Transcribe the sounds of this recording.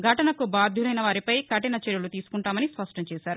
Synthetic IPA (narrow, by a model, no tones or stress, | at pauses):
ɡʱɐʈɐnɐkubaːd̪ʱjulɐjnɐʋaːɾipɐjkɐʈinɐt͡ʃɛɾjulut̪iːsu̥kuɳʈaːmɐnispɐʂʈɐmt͡ʃɛːsaːɾu